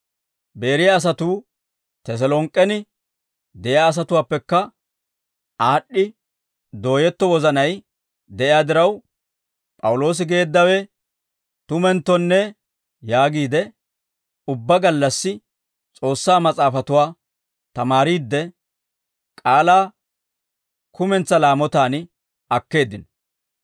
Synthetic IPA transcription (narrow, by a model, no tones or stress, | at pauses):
be̞ːɾɪjaːs̬ɐt̪uː | t̪ɛs̬ɛlɔŋkʼːɛnɪ | d̪ɛʔɪaːs̬ɐt̪ʊwaːpːɛkːɐ | aːɗːɪ | d̪o̞ːjɛt̪ːɔwɔzɐnɐj | d̪ɛʔɪjaːd̪ɪɾɐw | pʼɐwʊlo̞ːs̬ɪɡe̞ːd̪ːɐwɛ | t̪ʊmɛnt̪ːɔnːɛ | jaːɡiːd̪ɛ | ʊbːɐɡɐlːɐsːɪ | t͡sʼo̞ːsːaːmɐt͡sʼaːfɐt̪ʊwaː | t̪ɐmaːɾiːd̪ːɛ | kʼaːlaː | kʰʊmɛnt͡sːɐlaːmɔt̪aːn | ɐkːe̞ːd̪ɪnɔ